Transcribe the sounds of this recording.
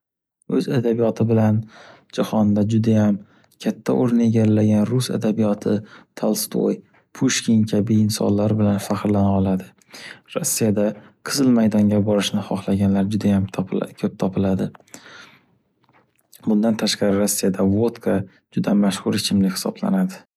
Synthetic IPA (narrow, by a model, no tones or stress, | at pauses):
ɵzad̪abijɒt̪ʰɪbɪlan | d͡ʒahɒnd̪ad͡ʒʊd̪ajam | kʲʰat̪ʰːaʔoɾɪne̞ɡʲalːaɡʲanɾʊsa̰d̪abijɒt̪ʰɪt̪ʰalˠst̪ʰo̰j | pʰuʃkʲinkʲʰabiɪnsɒ̰nlaɾɪbɪlanfaqɾlanaɒlˠad̪ɪ | ɾosːijad̪aqʰɨzɨlˠmajd̪ɒŋɡʲabɒɾɪʃnɪχɒχlˠaɡʲanlaɾd͡ʒʊd̪ajamkʰɵp̚t̪ʰɒpʰɪlad̪ɪ | bʊnd̪ant̪ʰaʃqɑɾɪɾosːijad̪avot̪kʰa | d͡ʒʊd̪amaʃhʊɾɪt͡ʃʰɪmlɪkhɪ̥sɒ̰bla̰nad̪ɪ